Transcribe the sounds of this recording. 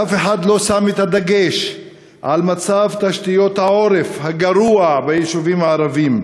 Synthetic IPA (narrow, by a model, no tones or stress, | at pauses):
afe̞ħad̪lo̞samet̪had̪aɡe̞ʃ | ʕalmat͡savt̪aʃt̪ijo̞t̪hao̞ɾe̞fhaɡaɾuabejeʃuvimhaːɾavim